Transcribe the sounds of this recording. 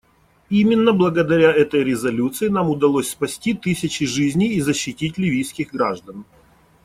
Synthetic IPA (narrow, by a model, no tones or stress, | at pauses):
imʲɪnːəblˠəɡəd̪ɐɾʲaɛt̪əjɾʲɪzɐlʲut̪sɨɪnamʊd̪ɐlˠosʲspɐsʲtʲit̪ɨsʲɪt͡ɕɪʐɨzʲnʲijːzəɕːɪtʲitʲlʲɪvʲijskʲɪɣɡɾaʐd̪ən